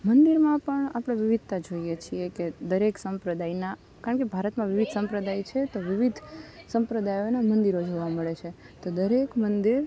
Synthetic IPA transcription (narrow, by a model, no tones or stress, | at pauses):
mənd̪iɾmãpəɳapɽ̃eʋɪʋid̪̚ʱt̪ad͡ʒoijet͡ʃʰieked̪əɾeksəmpɾəd̪ajna | kaɾəɳkebʱaɾət̪mãʋɪʋid̪ʱsə̃mpɾəd̪ajt͡ʃʰet̪oʋɪʋid̪ʱsə̃mpɾəd̪ajonamənd̪iɾod͡ʒoʋaməɭet͡ʃʰe | t̪od̪əɾekmənd̪iɾ